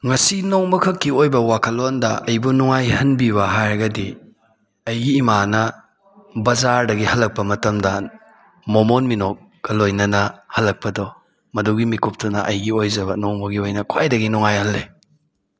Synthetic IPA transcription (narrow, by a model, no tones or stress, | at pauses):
ŋɐsinoŋmɐkʰɐkːiojbɐwakʰɐlondɐʔɐjbunuŋajhɐnbiβɐɦajɡɐdi | ɐjɡiːmanɐ | bɐzaɾdɐɡihɐlːɐk̚pɐmɐtɐmdɐ | momonminok̚ | ɡ̥ɐlojnɐnɐhɐlːɐk̚pɐdɔ | mɐduɡimikup̚tunɐʔɐjɡiojzɐβɐnoŋbɐɡiojnɐkʰwajdɐɡinɔŋajhɐlːe